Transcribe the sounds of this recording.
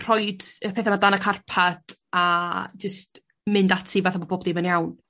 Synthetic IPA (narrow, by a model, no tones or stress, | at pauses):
r̥ɔjdəpʰeːθɛmadanakʰarpʰad̥ad͡ʒəst | mɪndatʰivaːθaboboːbdɪmənjawn